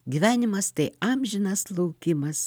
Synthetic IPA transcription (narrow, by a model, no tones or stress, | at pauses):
ɡʲiːʋʲæːnʲɪmɐst̪ɐɪɑːmʲʒʲɪnɐslˠɐʊkʲɪmɐs